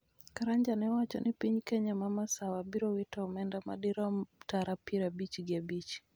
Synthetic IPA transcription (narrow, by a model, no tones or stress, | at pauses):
kaɾaɲd͡ʒanɛwat͡ʃɔ̰nipiɲkɛɲamamasawabiɾɔwitaumɛndama̰ɗiɾɔtaɾapiɾabit͡ʃiɡabit͡ʃi̥